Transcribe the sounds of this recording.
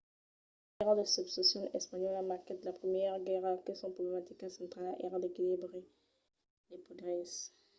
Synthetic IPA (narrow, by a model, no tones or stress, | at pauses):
ɛʁd̪əsybsesjɔ̃lɛspaɲɔlamaʁkɛd̪lapχəmjɛʁɡɛʁakesɔ̃pʁoblemat̪ikasɑ̃t̪χalʔɛ̰ʁad̪ekilibʁe | lepod̪ʁɛs